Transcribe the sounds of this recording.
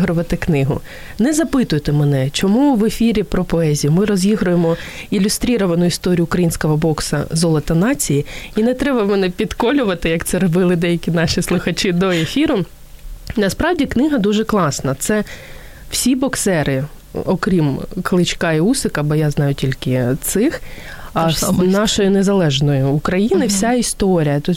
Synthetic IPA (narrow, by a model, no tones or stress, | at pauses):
ɦɾʊʋɐt̪ɪknɪɦʊ̰ | nɛzɐpɪt̪ʊjt̪ɛmɛnɛt͡ʃɔmuʋefʲiɾʲipɾɔpɔɛzʲijʊmɪɾɔzʲjiɦɾʊjemɔilʲʊst̪ɾʲiɾɔʋɐnʊist̪ɔɾʲijʊːkɾɐjinʲsʲkɔɦɔbɔksɐ̰zɔlˠɔt̪ɐnɑt͡sʲijiinɛt̪ɾɛbɐmɛnɛpʲid̪kɔlʲʊʋɐt̪ɪjɐkt̪sɛɾɔbɪlˠɪd̪ɛjɐkʲinɑʃʲislˠʊxɐt͡ʃɪd̪ɔefʲiɾʊ | nɐspɾɑwdʲiknɪɦɐd̪uʒɛklˠɑsnɐt̪sɛ | wsʲibɔksɛɾɪ | ɔkɾʲimklˠɪt͡ʃkɑiusɪkɐbɔjaznɑjʊtʲilʲkɪt̪sɪx | nɑʃɔjʊnezɐlˠɛʒnɔjʊːkɾɐjinɪwsʲaist̪ɔɾʲijɐt̪u